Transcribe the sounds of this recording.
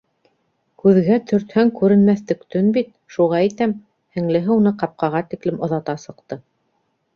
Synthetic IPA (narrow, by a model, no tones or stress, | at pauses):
kʉðɡæt̪ʰɵ̆ɾt̪hæŋkʉɾɘ̆nmæθt̪ɵ̆kt̪ɵnbit̪̚ | ʃuʁɑæjt̪æm | hɘ̆ŋlɘ̆ɦɘunɤqɑp̚qɑʁɑt̪iklɘmŏðɑt̪ɑsɤ̆qt̪ɤ